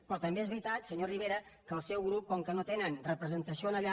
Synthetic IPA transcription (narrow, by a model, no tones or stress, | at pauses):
pɾɔt̪əmbeezβɾit̪at̪səɲoriβ̞eɾə | kəːlˠsɛwɣɾup̚kɔŋkənot̪enənrəpɾəzənt̪əsionəʎa